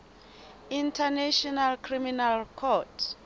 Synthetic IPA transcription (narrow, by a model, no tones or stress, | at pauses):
ĩntʰanaʃɔnalkʰriminalkʰɔtʰ